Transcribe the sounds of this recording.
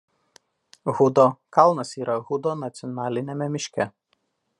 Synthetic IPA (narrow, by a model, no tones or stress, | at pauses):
ɣʊd̪oːkɐlˠnɐsiːɾɐɣʊd̪oːnɐt̪sʲɪɔnɑːlʲɪnʲemʲɛmʲɪʃʲkʲɛ